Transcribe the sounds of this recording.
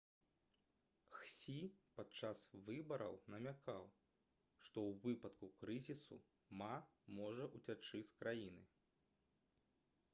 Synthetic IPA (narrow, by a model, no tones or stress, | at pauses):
xsʲipat͡ʂasvɨbɐɾʔɐ̰wnɐmʲakaw | ʂt̪ɔwvɨpɐt̪kukɾɨzʲisṵ | mamɔʐɐʔut͡sʲat͡ʂɨsʲkɾajinɨ